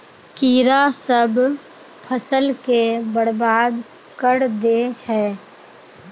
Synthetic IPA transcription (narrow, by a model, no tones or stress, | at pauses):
kiːɾasəb | pʰəsəlkebəɾbaːd̪ | kəɾd̪ehɛː